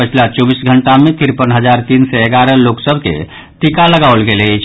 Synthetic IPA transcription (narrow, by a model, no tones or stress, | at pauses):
ət͡ʃʰlat͡ʃɔbisɡʱəɳʈamẽt̪ɪɾpənɦəd͡ʒaːɾt̪iːnsɛeɡaɾəloːksəbʱkḛ | ʈ̪ikaləɡaːwlɡelet͡ʃʰ